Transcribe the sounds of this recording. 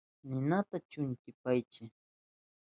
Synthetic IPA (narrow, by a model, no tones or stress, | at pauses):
nɪnat̪at͡ʃʊŋkɪpajt͡ʃɪ